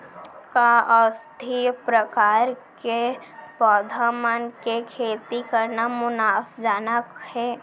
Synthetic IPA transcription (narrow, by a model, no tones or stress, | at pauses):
kaəst̪ʰipɾəkaːɾkepɔːd̪ʱamənkekʰeːt̪ikəɾnamʊnaːfd͡ʒaːnakhɛː